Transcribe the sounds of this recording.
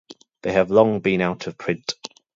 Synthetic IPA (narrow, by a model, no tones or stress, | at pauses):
ðeɪəvlɒ̃ŋbĩnaʊtʰəv̥pʰɹ̥ɪ̃nt